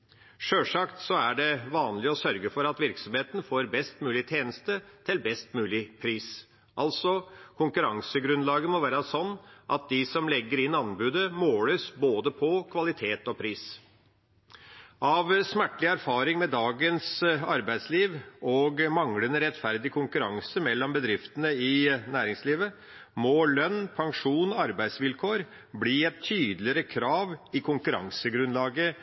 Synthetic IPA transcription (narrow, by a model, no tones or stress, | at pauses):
ʂøːʂɑkt̪sɔæɖɛʋɑːnlɪɔsœɾɡəfɔɾɑt̪ʋɪɾksɔmheːt̪nfoːɾbɛst̪mʉːlɪt̪ʰeːnəst̪ət̪ʰɪlbɛst̪mʉːlɪpʰɾiːs | ʔɑlt̪sɔkʰʊŋkʉɾɑŋsəɡɾʉnlɑːɡəmɔʋæːɾəsɔnːʔɑt̪̚d̪ɪsɔmlɛɡːəɾɪnːɑnbʉːd̪əmoːləsboːd̪əpʰɔkʰʋɑlɪt̪ʰeːt̪ɔpʰɾiːs | ɑʋsmæʈːlɪæɾfɑːɾɪŋmɛd̪ɑːɡənsɑɾbæɪsliːʋɔɡmɑŋlənəɾɛt̪fæɾd̪ɪkʰʊŋkʉɾɑŋsəmɛlːɔmbəd̪ɾɪft̪ənəɪnæːɾɪŋsliːʋə | mɔlœnːpʰɑŋʂuːnɔɑɾbæɪd̪sʋɪlkʰoːɾ | bliːɛtt̪ʰːyːd̪lɪəɾəkʰɾɑːʋɪkʰʊŋkʉɾɑ̰ŋsəɡɾʉnlɑːɡə